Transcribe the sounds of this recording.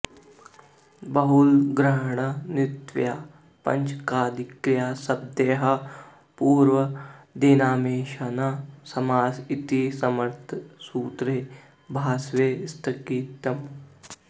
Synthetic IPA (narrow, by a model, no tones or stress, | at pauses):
bɐɦulɡɾaːɳ̃ɐnɪt̪ʋjaː | pɐ̰ɲt͡ʃkaːd̪ikɾjaːsɐb̚d̪eːɦɐ | puːɾʋɐd̪eːnaːmeːʃanasɐmaːsit̪isɐmɐɾt̪ʰsuːt̪ɾe | bʱaːsʋeːst̪ʰɐkiːt̪ɐm